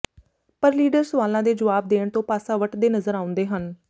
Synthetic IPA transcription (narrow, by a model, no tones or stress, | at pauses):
pəɾliːɖəɾsʋaːlãːd̪eːd͡ʒəʋaːb̚d̪eːɽ̃t̪õːpaːsãːʋəʈd̪eːnəzəɾãːʊ̃nd̪eːɦən